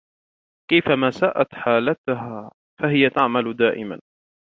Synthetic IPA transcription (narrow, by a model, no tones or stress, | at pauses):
kajfamasaːʔat̪ħaːlat̪ʊɦaː | faɦɪjat̪aʕmalʊd̪aːʔɪ̰ma̰n